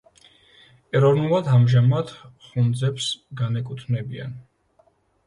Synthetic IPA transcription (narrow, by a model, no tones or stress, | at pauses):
ɛɾɔvnulˠad̪amʒamad̪χund̪zɛpsɡanɛkʼut̪ʰnɛbia̰n